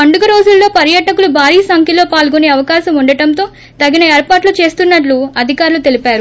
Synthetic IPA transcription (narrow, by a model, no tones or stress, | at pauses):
ɐɳɖuɡɐɾo̞ːd͡ʒulːo̞ːpɐɾjɐʈɐkulubʱaːɾiːsɐŋkʰjilo̞ːpaːlɡuneːɐʋɐkaːʃɐmuɳɖɐʈɐnt̪o̞ː | t̪ɐɡːinɐeːɾpaːʈlut͡ʃe̞ːst̪unːɐʈ̬luɐd̪ʱikaːɾulut̪e̞lipaːɾu